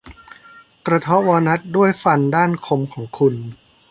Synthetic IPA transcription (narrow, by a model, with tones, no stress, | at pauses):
kɾa˧t̪ʰɔ˦˥waː˧na˦˥t̪̚du˥˩əjfa˧ndaː˥˩nkʰo˧mkʰɔː˩˦ŋkʰu˧n